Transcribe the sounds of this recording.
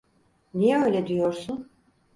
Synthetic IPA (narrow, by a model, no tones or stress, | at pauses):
nijɛø̞ːjlʲɛd̪ijoɾsun